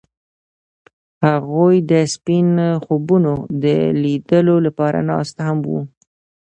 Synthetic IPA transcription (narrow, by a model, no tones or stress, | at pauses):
haɣujd̪əspinxobunod̪əlid̪əlolapɑɾa̰nɑ̰st̪hamwṵ